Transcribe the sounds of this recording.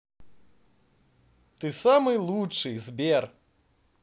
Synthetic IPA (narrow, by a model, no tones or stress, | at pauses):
t̪ɨsamɨjlˠut͡ʂɨjzbʲer